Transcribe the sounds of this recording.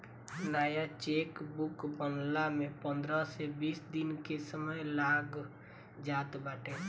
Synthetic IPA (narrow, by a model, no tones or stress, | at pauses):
naːjat͡ʃekbukbənlamẽpə̃nd̪ɾəsebiːsd̪inkesəməjlaɡ | d͡ʒaːt̪baːʈʰe